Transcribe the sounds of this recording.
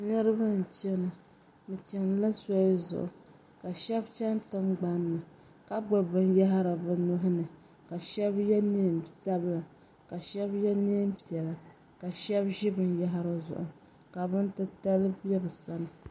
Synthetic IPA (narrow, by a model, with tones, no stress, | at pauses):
nɨ˦ɾɨ˦ba˦n̩˨t͡ʃɛ˦nɨ˨ | mɨ˨t͡ʃɛ˨n˨la˦sɔ˦zʊ̰˨ʔʊ˨ | ka˨ʃɛ˦bt͡ʃa˦n˦tɨ˦mɡ͡ba˨˦nːɨ˨ | ka˦ɡ͡ba˨bɨ˦nja˦ɦɾa˨bɨ˨nʊ˦ɦʊ˦nɨ˨ | ka˨ʃɛ˦bjɛ˦ni˦˨msa˦bla˨ | ka˨ʃɛ˦bjɛ˦ni˦mpi˨ɛ˨la˨ | ka˨ʃɛ˦bʒɪ˦bɨ˨nja˦ɦɪ˦ɾɨ˦zʊ̰˨ʔʊ˨ | ka˨bɨ˦n˦tɨ˦ta˦lɨ˦bɛ˦bɨ˨sa˦nɨ˨